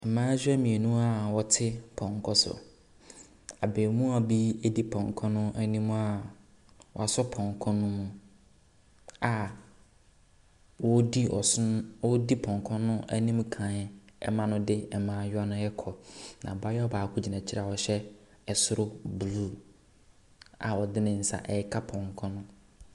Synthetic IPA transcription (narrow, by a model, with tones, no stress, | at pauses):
ɛ˨mãː˦d͡ʑᶣɛ˦mĩ˨e˨nũ˦a˦wɔ˨tʰɪ˦pʰɔ̃˨ŋkʰɔ˦sʊ̰˨ | a˨beː˨mũ˦a˨bi˦æ˦di˦pʰɔ̃˨ŋkʰɔ̃˦nʊ̃˦ʔæ˦nĩ˦m̃˦a˦ | wɔ̰˨a˨sɔ˦pʰɔ̃˨ŋkʰɔ̃˦nʊ̃˦mũ˨ | a˨ | wɔ˦di˦ɔ̰˨˦wɔ˦di˦pʰɔ̃˨ŋ˨kʰɔ̃˦nʊ̃˦æ̰˦nĩ˦m˦kʰã˨ɛ̰˦mã˦nʊ̃˦dɪ˦ɛ˨mãː˨˦˨jʊ˦a˦nʊ̃˦jɛ˦kʰɔ˨nã̰˨ba˦jɛ˦ɔ˦baː˨kʰu˦d͡ʑi˨nã˨t͡ɕʰɪ˦ɾa˨a˨wɔ˨ɕɛ˦ | ɛ˨sʊ˦ɾʊ˦bu˨lu˦˨ | a̰˨wɔ˨dɪ˦nɪ̃˨n̩˨sa̰˨ʔɛ˨˦kʰa˦pʰɔ̃˨ŋkʰɔ̃˦nʊ̃˦